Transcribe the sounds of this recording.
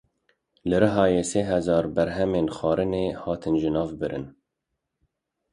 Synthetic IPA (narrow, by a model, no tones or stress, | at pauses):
lɨɾɨɦɑːjeːseːɦɛzɑːɾbæɾɦɛmeːnxɑːɾɨneːhɑːt̪ʰɨnʒɪnɑːvbɨɾɨ̰n